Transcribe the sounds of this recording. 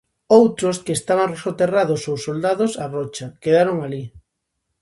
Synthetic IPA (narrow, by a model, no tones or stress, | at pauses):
owt̪ɾoskeːst̪aβaŋresot̪eraðʊsowsold̪aðʊsarɔt͡ʃakeðaɾoŋali